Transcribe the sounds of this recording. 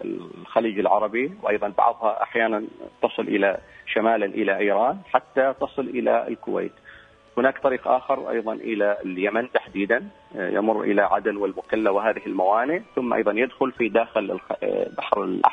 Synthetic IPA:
ɪ̰xaliːd͡ʒɪlʕɑɾˤɑbiwʔɑjðˤɑnbɑ̰ʕðˤhɑʔa̰ħjaːnant̪ɑsˤɨlʔɪlaʃamaːlanʔɪlaʔiːɾɑːnħat̪ːat̪ɑsˤɨlʔɪla̰ɪ̰lkʊwḛːt̪ | hɪnaːkt̪ˤɑɾiːqʔa̰ːxɑɾˤʔɑ̰jðˤɑnʔɪlaljamant̪aħd̪iːd̪an | jɪ̰mʊrːʔɪ̰laʕa̰d̪anwɪlmʊkalːawɪɦaːðɪɦɪlmawaːnɪʕθʊmːʔɑ̰jðˤɑnjɪd̪xʊlfid̪aːxɪlbaħɾɪlʔa̰

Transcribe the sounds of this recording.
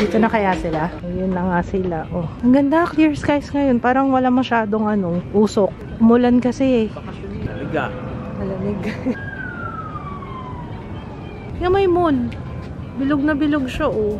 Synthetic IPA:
d̪it̪onɐkɐjasɪlajʊnːɐŋasɪlaʔoʔɐŋɡɐnd̪akliɹskajsŋɐjo̞npaːɾɐŋwɐlamɐʃaːd̪o̞ŋʔɐno̞ʔuːsok̚ | mʊlɐnkɐsɛɛɐɐ | ɐlɪɡanɐlɐmɛɡ | jɐmɐjmon | bɪloɡ̚nɐbɪloɡ̚ʃaʔo

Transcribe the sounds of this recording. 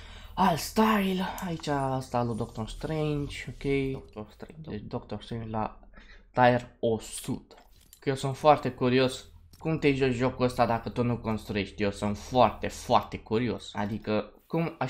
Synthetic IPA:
alst̪ajlait͡ʃaəst̪alud̪okt̪orst̪ɾent͡ʃokʲejst̪ɾed̪okt̪orst̪ɾent͡ʃlat̪aerosud̪̥ | kjewsunt̪foart̪e̞kuɾioskumt̪eʒot͡ʃʒokuəst̪ad̪akət̪unuko̞nst̪ɾueʃt̪ijewsunt̪foart̪e̞foart̪e̞kuɾio̞sa̰d̪ikəkuma

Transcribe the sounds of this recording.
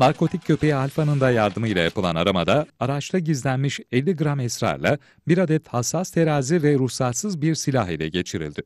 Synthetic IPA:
naɾko̞t̪ʰic̚ʰːø̞pʰejalʲfanɯnd̪ajaɾd̪ɯmɯjlʲˠa̰japʰɯlˠanaɾamad̪aaɾat͡ʃlˠɯɟizlʲænmiʃɛlʲːiɡɯɾamɛsɾa̰ɾlˠa̰ | biɾad̪ɛt̪hasːast̪ʰe̞ɾaːzivɛɾusat̪sɯzbiɾsilʲaɦilʲɛɟe̞t͡ʃʰiɾḭlʲd̪ɪ

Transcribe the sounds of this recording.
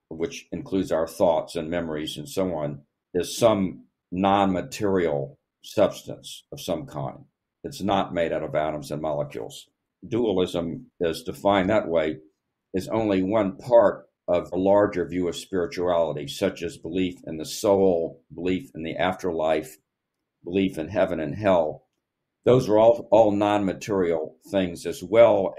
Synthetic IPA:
wɨt͡ʃɨ̃nkʰl̥ʉdzaʊə˞θɔtsɨ̃nmɛmə˞izɨ̃nsoʊɑ̃n | ɨz̥sʌ̃m | nɑ̃nmɨtʰɪɹil̩ˠ | sʌb̥stɨ̰̃nsʌv̥sʌ̃mkʰã̰ɪ̃nd | ɨtsnət̚meɪɾaɾʌvæɾə̃mzɨ̃nmɑlˠəkʰj̥ʉ̰lˠz̥ | duəl̩ˠɪzə̃mɪz̥tʰɨfãɪ̃nðəʔ̚weɪ | ɨzõ̰ʊ̃nliwʌ̃npʰɑɹɾ | ʌvəlɑɹd͡ʒə˞vjʉʌv̥spɪɹɨt͡ʃuælˠəɾisʌt͡ʃɨzbəlifɨ̰̃nðɨsoʊl̩ˠbəlifɨ̃n̩ðiʔæftʰə˞laɪf | b̥əlifɨ̃nɦɛvɨ̃nɨ̃nɦɛlˠ | ðoʊzə˞ɔɔlˠnɑ̃nmɨtʰɪɹil̩ˠθɪ̃ŋzɨzwɛlˠ

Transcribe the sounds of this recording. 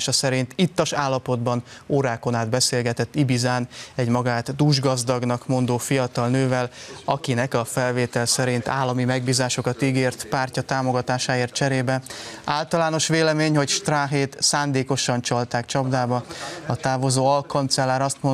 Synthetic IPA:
ʃɒsɛɾint̪it̪ːɒʃaːlːɒpo̞d̪bɒnoːɾaːko̞naːd̪bɛseːlɡɛt̪ɛt̪ːibizaːnɛɟmɒɡaːt̪d̪uːʒɡɒzd̪ɒɡnɒkmo̞nd̪oːfijɒt̪ɒlnøːvɛlɒkinɛkɒfɛlveːt̪ɛlsɛɾint̪a̰ːlːɒmimɛɡ̚biːzaːʃo̞kɒt̪iɡeːrt̪paːrcɒt̪aːmo̞ɡɒt̪aːʃaːeːrt̪̚t͡ʃɛɾeːbɛaːlt̪ɒlaːno̞ʃʋeːlɛmeːɲho̞cʃt̪raːɦeːt̪saːnd̪eːko̞ʃɒnt͡ʃɒlt̪aːkt͡ʃɒbd̪aːbɒɒt̪aːvo̞zoːɒlkɒnt̪sɛlːaːɾɒst̪mo

